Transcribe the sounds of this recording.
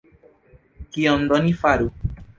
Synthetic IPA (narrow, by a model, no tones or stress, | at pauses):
kiɔn̩dɔnĩfaɾu